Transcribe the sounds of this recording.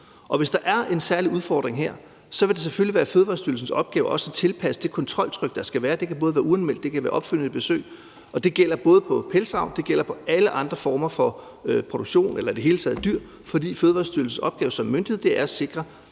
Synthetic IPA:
ʔɒ̽ʋe̝sd̥ɑ̈ʔæɐe̝nsæɐliuðˠfɒ̰ːd̥ʁeŋɦeɐ̰ | sɒ̽ʋe̝d̥e̝s̬eføliʋæːɐføːðˠʋɑ̈ːsd̥yɐl̩sn̩sɒ̽b̥̚ɡ̥ɛːʊʔɒ̽sæt͡sʰe̝lpʰæsə̥d̥e̝kʰɒ̽nt͡sʰʁɒ̽l̰t͡sʰʁœɡ̥̚d̥ɑsɡ̥æʋæːɐd̥e̝kʰæb̥ɔ̽ːð̞ˠʋæːɐuænumel̰d̥e̝kʰæʋæːɐɒ̽b̥fyl̰n̩ˠib̥e̝sø̰ːɪ | ɒ̽d̥e̝ɡ̥el̰ɐb̥ɔ̽ːð̩ˠpʰɒ̽pʰelsɑ̈ʊnd̥e̝ɡ̥el̰ɐpʰɒ̽æləʔɑ̈nd̥ʁɐfɒːmɐfɒ̽ | pʰʁo̝d̥oɡ̥ɕo̝̰ːnʔelɐid̥eɦe̝ːlət͡sʰɛ̰ð̩ˠd̥yɐ̰ | fɒ̽d̥ḭːføːðˠʋɑ̈ːsd̥yɐl̩sn̩sɒ̽b̥ɡ̥ɛːʊsɒ̽mːønd̥iheð̩ˠd̥e̝ʔæɐse̝ɡ̥ʁɐ

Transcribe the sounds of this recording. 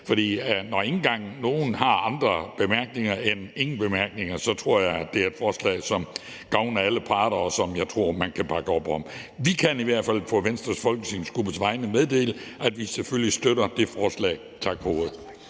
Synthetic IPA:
fɒ̽ɾ̥ḭːnɒe̝ŋn̩ɡ̥ɑ̈ŋ̰no̝ːn̩hɑ̈ɑ̈nd̥ʁɐb̥e̝mæɐɡ̥ne̝ŋɐene̝ŋn̩b̥e̝mæɐɡ̥ne̝ŋɐsɒ̽t͡sʰʁo̝ɐ̰jɑ̈ɪd̥e̝æɐe̝d̥fɒːslɛ̰ːsɒ̽m | ɡ̥ɑ̈ʊnɐæləpʰɑ̈ːɾ̥ɐɒsɒ̽mjɑ̈ɪt͡sʰʁo̝ɐ̰mænkʰæpʰɑ̈ɡ̥əɒ̽b̥ɒmʋikʰæniʋæɐ̰d̥fæl̰pʰɒ̽ʋensd̥ʁɐsfɒ̽lɡ̥əsinsɡ̥ub̥əsʋɑ̈ɪnəmeðˠd̥e̝̰ːləʔæd̥ʋiseføljisd̥øɾɐd̥e̝fɒːslɛ̰ː | t͡sʰɑ̈ɡ̥hoːð̞̩ˠ

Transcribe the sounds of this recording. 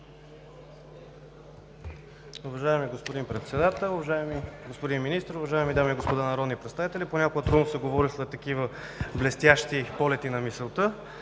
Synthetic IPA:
ʊvɐʒajmiɡospod̪impɾɛt̪sɛd̪at̪ɛlˠʊvɐʒaimiɡospod̪inminist̪əɾʊvɐʒaɛmid̪amiːɡospod̪anɐɾɔd̪nipɾɛt̪st̪avit̪ɛlʲiponʲakoɡət̪ɾud̪nosɛɡovɔɾiszɐt̪ːɐkivə | blɛst̪jaʃt̪ipɔlɛt̪inɐmisɛlˠt̪ə

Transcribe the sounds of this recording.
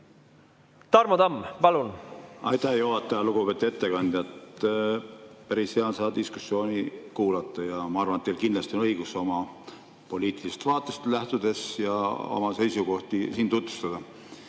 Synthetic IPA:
t̪ɑɾmɑd̪ɑmːpɑlunɑjt̪ːˑɑhjoɦɑt̪ːˑɑjɑluɡ̥upe̞t̪ːˑue̞t̪ːe̞kɑnʲd̪̥ʲjɑt̪ | pæɾisheɑnsɑːd̪isku̥sːjo̞ːnikuːlɑt̪ˑːɑjɑmɑɑrvɑnet̪ːeːlkind̪lɑst̪io̞nɤjɡ̥uso̞mɑ | po̞lʲiːt̪ˑilist̪vɑːt̪ːˑest̪læht̪ud̪̥e̞sjɑ̰o̰mɑse̞jsuko̞ht̪isiːnt̪ut̪vu̥st̪ɑd̪ɑ

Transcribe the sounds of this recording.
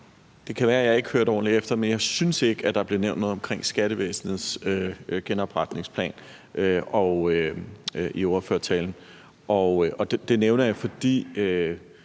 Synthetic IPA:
d̥e̝kʰæʋæːɐæjɑ̈e̝ɡ̥høɐ̰ɾ̥ɒ̰ːnliefd̥ɐmenjɑ̈ɪsynse̝ɡ̥əæd̥ɑ̈b̥le̝ɐneʊ̰nd̥no̽ð̩ˠɒ̽mkʰʁeŋ̰sɡ̥æɾ̥əʋḛːsn̩ð̩ˠsøɡ̥enɒ̽b̥ʁɑ̈d̥ne̝ŋspʰlɛ̰ːn | ʔøɒ̽ø | ʔiɒʊɐføɐt͡sʰɛ̰ːln̩ | ʔɒ̽ʔɒ̽d̥d̥e̝neʊnɐjɑ̈ɪfɒ̽d̥ḭːø

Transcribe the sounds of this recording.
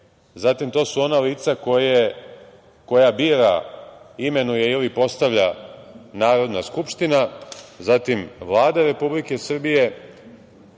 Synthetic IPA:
zat̪imt̪o̞ːsuo̞naliːt̪sakoje | ko̞jabiːɾa̰ | ime̞nuje̞ilipo̞st̪aʋʎanaːɾo̞d̪naskupʃt̪inazat̪imʋlˠaːd̪aɾe̞publike̞sr̩bije̞

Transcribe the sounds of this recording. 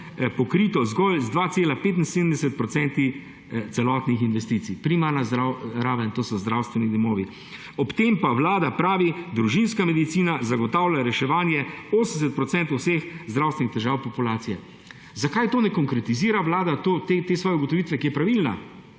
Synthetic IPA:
pɔkɾit̪ɔzɡɔlzd̪ʋat̪seːlapeːt̪̬in̩sed̪əm̩d̪ɛsɛt̪̚pɾɔtsɛnt̪i | t̪sɛlɔt̪nixinʋɛst̪iːt̪sipɾimaɾnazɾaɾaːʋaint̪oːsɔzd̪ɾawst̪ʋɛnid̪ɔmɔːʋi | ɔpt̪empawlaːd̪apɾaːʋid̪ɾuʒinskamɛd̪it̪siːnazaɡɔt̪aːwlʲjaɾɛʃɛʋaːnjɛoːsənɛsɛt̪̚pɾɔt̪sɛnt̪owsexzd̪ɾawst̪ʋʲɛnixt̪ɛʒaːwpɔpulaːt̪sijɛ | zakajt̪oːnɛkɔŋkɾɛt̪iziːɾaʋlaːd̪at̪oːt̪et̪eːsʋɔːjɛuɡɔt̪ɔʋiːt̪ʋɛkijɛpɾaʋilna

